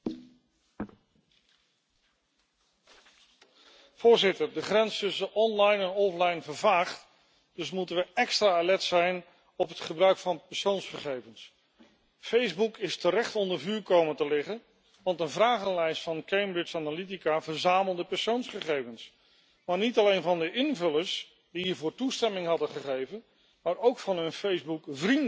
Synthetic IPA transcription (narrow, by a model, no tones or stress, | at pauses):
v̥ʊːɹzɪtəɹdəχrɛnstɵsəʔɔnlɑjnɛnɔflɑjnvəɹvaːχt | d̥ɵs̬mutənʋəʔɛkstraːalɛtsɛjn | ɔpɦətχəbrœɥkfɑnpɛɹsownsχəχejvəns | fejzbukɪstəɾɛχtɔndəɹvyːɹkowməntəlɪχən | ʋɑntənvraːχənlɛjstfɑnkejmbɹɪsanalitikavəɹzaːməlˠdəpɛɹsownsχəχejvəns | maːɹnitɑlejnvɑndəʔɪnvɵləs | diɦiːɹvʊːɹtustɛmɪŋɦɑdəχəχejvən | maːɾowkfɑnɦɵnfejzbukvrin